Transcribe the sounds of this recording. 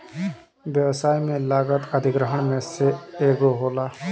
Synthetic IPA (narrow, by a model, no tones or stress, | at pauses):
ʋjəʋsaːjmẽlaːɡət̪əd̪ʱɪɡɾəɦəɳmẽseeːɡoɦoːlaː